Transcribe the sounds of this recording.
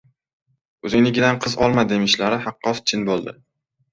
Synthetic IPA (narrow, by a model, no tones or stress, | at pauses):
ɵzɪŋnɪɡʲɪd̪anqʰɨzɒ̰lˠmad̪e̞mɪʃlaɾɪhɑqːɒst͡ʃʰɪnbolˠd̪ɪ̰